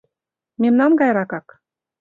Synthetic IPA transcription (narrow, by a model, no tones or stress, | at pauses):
memnɑnɡɑjɾɑkɑk